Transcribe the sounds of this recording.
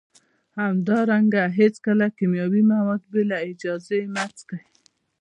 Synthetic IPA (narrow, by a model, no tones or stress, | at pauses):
hamd̪ɑɾaŋɡaɦet͡skalakimjɑbimawad̪̚belaɪd͡ʒɑzemat͡skai